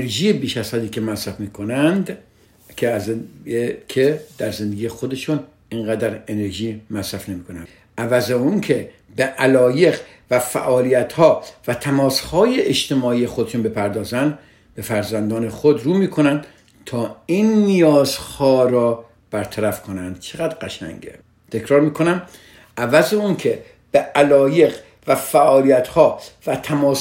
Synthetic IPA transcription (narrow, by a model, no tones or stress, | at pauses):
ɾʒiːjebiːʃæsæːd̪iːkʰemæsɾæfmiːkʰonænd̪ | kʰez | kʰed̪̥æɾzend̪eɡiːjexod̪e̞ʃun | iŋɢæd̪æɾene̞ɾʒiːmæsɾæfnemiːkonæ̰n | ʔævæzeunkʰe | beʔælɒːje̞ɡ | væfæ̰ʔɒːliːjæt̪hɒːvæt̪ʰæmɒːshɒːjeʔːʃt̪e̞mɒːiːjexod̪eʃunbe̞pʰæɾd̪ɒːzænd̪ | b̥e̞fæɾzænd̪ɒːnexod̪ɾuːmiːkʰo̞nænd̪̥ | t̪ʰɒːinːijɒːzhɒːɾɒː | b̥æɾt̪ʰæɾæfkʰo̞nænd̪̥t͡ʃʰeɣæd̪ɡæʃæ̰ŋɟḛ | t̪ʰe̞kʰɾɒːɾmiːkʰo̞næm | ævæzeunkʰe | b̥eælɒːje̞ɣ | væfæʔɒːlijæt̪hɒːvæt̪ʰæmɒː